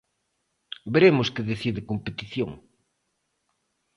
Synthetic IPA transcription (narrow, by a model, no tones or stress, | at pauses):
beɾemʊskɪðeθiðɪkompet̪iθjo̰ŋ